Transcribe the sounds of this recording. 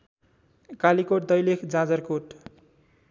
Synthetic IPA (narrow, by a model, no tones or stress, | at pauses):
kalikoʈ̚d̪ʌjlekʰd͡zãd͡zʌrkoʈ